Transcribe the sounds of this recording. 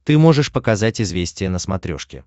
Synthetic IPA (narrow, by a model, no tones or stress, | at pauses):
t̪ɨmo̞ʐɨʂpəkɐzatʲɪzvʲesʲtʲɪjənəsmɐt̪ɾʲo̞̰ʂkʲɪ̰